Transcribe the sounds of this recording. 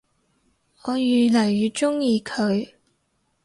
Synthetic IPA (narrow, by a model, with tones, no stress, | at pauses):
ŋɔː˨˧jyː˨˩lɐ˨˩jːyː˨˧t͡ʃʊ˥ŋjiː˨˧kʰɵ˨˧ɥ